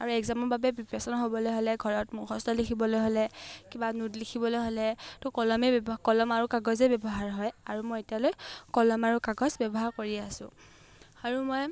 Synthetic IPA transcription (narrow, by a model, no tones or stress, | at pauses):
aɹuɛɡzamɔbabɛbipasɔnɔɦobɔlojɦolɛɡʱɔɹɔtmʊxʰɔstɔlikʰibɔlojɦolɛkibanudlikʰibɔlojɦolɛtʊkɔlɔmebbɔkɔlɔmaɹukaɡɔzebjɔbɔɦaɹɦɔjaɹumɔjetijalojkɔlɔmaɹukaɡɔzbɔbɔɦaɹkoɹiasʊ̰̃ | aɹumɔj